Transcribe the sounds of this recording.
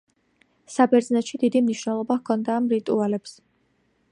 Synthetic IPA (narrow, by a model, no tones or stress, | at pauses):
sabɛɾd̪znɛt̪ʃid̪id̪imniʃwnɛlˠɔbakʰɔnd̪aːmɾit̪ʼualɛps